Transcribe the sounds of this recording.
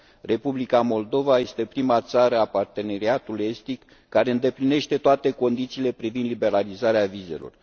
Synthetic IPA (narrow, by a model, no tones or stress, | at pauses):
re̞publikamo̞ld̪o̞vaje̞st̪e̞pɾimat̪saɾəapart̪e̞ne̞ɾiat̪ule̞st̪ikː | aɾe̞ɨnd̪e̞pline̞ʃt̪e̞t̪oat̪e̞ko̞nd̪it̪siːle̞pɾivind̪libe̞ɾalizaɾeavize̞̰lo̞̰r